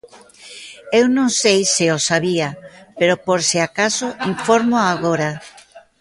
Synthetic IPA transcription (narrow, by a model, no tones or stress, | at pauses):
ewnõŋsejsɪosaβiapeɾopoɾseakasoiɱfoɾmoaɣ̞oɾa